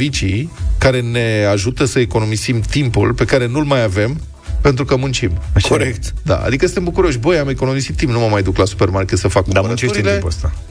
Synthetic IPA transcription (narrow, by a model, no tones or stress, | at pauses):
vit͡ʃikaɾe̞ne̞aʒut̪əsəeko̞no̞mizimt̪impṵlpe̞kaɾe̞nulmajave̞m | pe̞nt̪ɾukəmunt͡ʃimʃkoɾekt̪d̪a̰a̰d̪ikəsɨnembukuɾo̞ʃʲbəjameko̞no̞misit̪ːimpnuməmajd̪uklasu̥pe̞rmarket̪səfakd̪aut͡ʃeʃɾiet̪leipast̪a